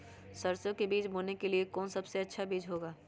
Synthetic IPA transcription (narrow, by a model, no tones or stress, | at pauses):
sɐɾsjõkebiːt͡ʃmoːnekeliekɔːnsɐbseɐtːʃʰabiːd͡ʒɦoːɡaː